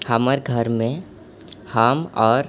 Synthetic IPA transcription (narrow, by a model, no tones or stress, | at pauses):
haməɾɡʱəɾmẽ | haːmɔːɾ